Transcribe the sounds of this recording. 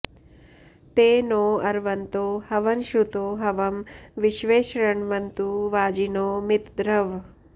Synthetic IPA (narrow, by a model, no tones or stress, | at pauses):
t̪eːnoːɐɾʋɐnt̪oːhɐʋɐnʃɾut̪oːɦɐʋɐmʋiʃʋeːʃɾɐɳʋɐnt̪uʋaːd͡ʒinoːmɪt̪d̪ɾɐʋ